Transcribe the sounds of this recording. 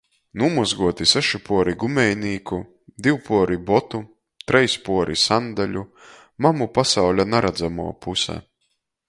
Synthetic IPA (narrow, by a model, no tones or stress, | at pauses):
numuzɡuɔt̪isɛʃipuɔɾiɡumɛjniːku | d̪iwpʰuɔɾibɔt̪u | t̪ɾɛjspuɔɾisand̪alʲu | mamupasawlʲanaɾad̪zamṵɔpʰusa̰